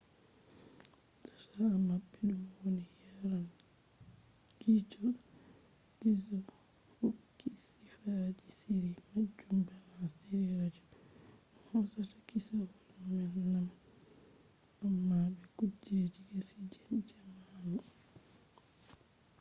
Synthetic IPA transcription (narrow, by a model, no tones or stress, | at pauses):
tḁsamabːɛɗumwonijaɾan | ɡ̥it͡ʃɔl | kisɔ | hokːisifad͡ʒisiɾimad͡ʒumbɛmasiɾiɾad͡ʒɔ | ɔhɔsatḁkisawɔlmɛnnam | amːabɛkud͡ʒed͡ʒiɡesid͡ʒɛnd͡ʒɛmanɔ